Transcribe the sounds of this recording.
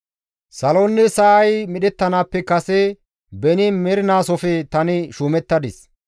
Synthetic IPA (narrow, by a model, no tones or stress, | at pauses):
sɐloːnːɪsɐʔɐjmɪɗɛt̪ːɐnaːpːɛkɐsɛ | bɛnɪmɛɾɪnaːsɔfɛt̪ɐnɪʃuːmɛt̪ːɐd̪ɪs